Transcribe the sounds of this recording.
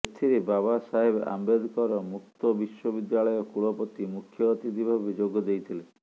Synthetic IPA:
et̪ʰiɾebaβasaɦebʔa̰mbed̪ʱkɔɾɔmuk̚t̪ɔbiʃɔbid̪jaɭɔjɔkuɭɔpɔt̪imukʰjɔːt̪id̪ibʱabid͡ʒoɡɔd̪ejt̪ʰile

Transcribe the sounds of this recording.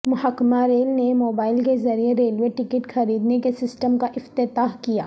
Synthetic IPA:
mʊɦakːmaɾeːlnemoːbaːɪlkezɐɾieɾeːlʋeʈɪkəʈxɐɾiːd̪nekesɪsʈəmkaʔɪft̪ɪt̪aːɦkija̰ː

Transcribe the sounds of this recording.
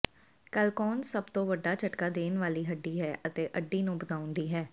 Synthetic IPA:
kəlkɔːnsəbt̪õːʋəɖːaːt͡ʃəʈkaːd̪eːnʋaːliːɦəɖːiːɦɛːʔət̪eːʔəɖːiːnũːbət̪aːʊ̃nd̪iːɦɛː

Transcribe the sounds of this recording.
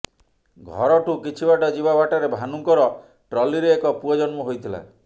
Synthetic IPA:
ɡʱɔ̰ɾɔʈukit͡ʃʰibaʈɔd͡ʒibabaʈɔɾebʱanuŋkɔɾɔ | ʈɾɔliɾeekɔpuɔd͡ʒɔnmɔɦojt̪ʰila̰

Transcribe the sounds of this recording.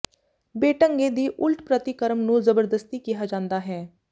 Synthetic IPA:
beːʈəŋɡeːd̪iːʔʊlʈpɾət̪ɪkəɾəmnũːzəbəɾd̪əst̪iːkiɦaːd͡ʒãːnd̪aːɦɛː

